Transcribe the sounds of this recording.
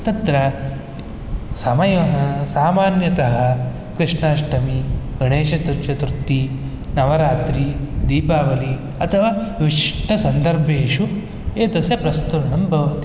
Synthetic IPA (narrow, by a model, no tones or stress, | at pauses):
t̪ɐnt̪ɾɐ | sɐmɐjɐɦɐsaːmaːnjɐt̪ɐɦɐ̆ | kɾɪʂɳaːʂʈɐmiɡɐɳeːʃɐt̪uɾt͡ʃɐt̪ɾut̪ːi | nɐʋɐɾaːt̪ɾid̪iːpaːʋɐli | ɐt̪ʰɐʋaːʋiʂʈɐsɐnd̪ɐɾbʱeːʃu | eːt̪ɐsɐpɾɐst̪uɾɳɐmbʱɐʋɐt̪i